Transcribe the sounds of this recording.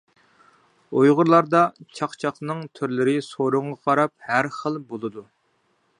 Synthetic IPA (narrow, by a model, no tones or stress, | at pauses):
ojʁʊɾlˠɑɾd̪ɑt͡ʃʰɑqt͡ʃʰɑχnɨŋt̪ʰyɾlɪɾɪsoɾʊɴʁɑqʰɑɾɑp̚hæɾχəlˠbolˠɨd̪u